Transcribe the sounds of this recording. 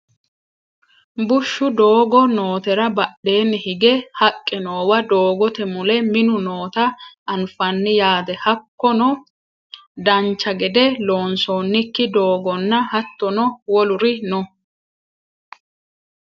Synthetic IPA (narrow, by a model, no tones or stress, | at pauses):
bʊʃːʊd̪o̞ːɡɔno̞ːt̪ɛɾɐbɐɗːe̞ːnːɪhɪɡɛhɐkʼːɛno̞ːwɐd̪o̞ːɡɔt̪ɛmʊlɛmɪnʊnoːt̪ɐʔɐnfɐnːɪjaːd̪ɛhɐkːɔnɔ | d̪ɐnt͡ʃːɐɡɛd̪ɛlo̞ːnso̞ːnːɪkːɪd̪o̞ːɡɔnːɐhɐt̪ːɔnɔwɔlʊɾɪnɔ